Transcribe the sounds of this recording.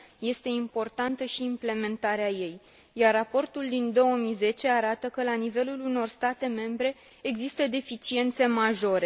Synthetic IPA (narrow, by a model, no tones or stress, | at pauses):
je̞st̪e̞impo̞rt̪ant̪əʃiːmple̞me̞nt̪aɾeaje̞j | jarːapo̞rt̪uld̪ind̪o̞wəmijze̞t͡ʃe̞aɾat̪əkəlanive̞luluno̞rst̪at̪e̞me̞mbɾe̞ː | ɡzist̪əd̪e̞fit͡ʃie̞nt̪se̞maʒo̞ɾe̞